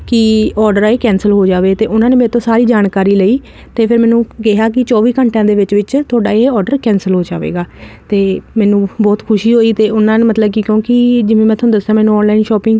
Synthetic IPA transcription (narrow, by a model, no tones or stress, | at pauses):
kɪɔːɾɖəɾaeːkɛ̃ːnsəlɦoːd͡ʒaːʋeːt̪eːʊnãːneːmeːt̪õːsaːɾiːd͡ʒaːnkaːɾiːləiː | t̪eːpʰɪɾmɛːnũːkɪɦaːk̬ɪt͡ʃɔːʋiːkəɳʈãːd̪eːʋɪt͡ʃʋɪt͡ʃt̪ʰʊaːɖaːeɔːɾɖəɾkɛ̃ːnsəlɦoːd͡ʒa̰ːʋḛːɡaːt̪eːmɛːnũːbɔːt̪kʰʊʃiːɦoːiːt̪eːʊnãːnemət̪ləbkikjõːkid͡ʒɪʋẽːmɛ̃ːt̪ʰõːd̪əsːd̪ãːmɛ̃ːnũːɔːnlaːɪnʃɔːpɪ̃ŋɡ